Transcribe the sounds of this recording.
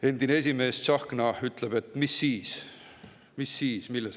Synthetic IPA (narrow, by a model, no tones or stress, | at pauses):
e̞nd̪̥inee̞s̬ʲime̞ːst̪sɑhknɑyt̪ˑleb̥e̞t̪ːˑmisːiːs | misːiːsmilːes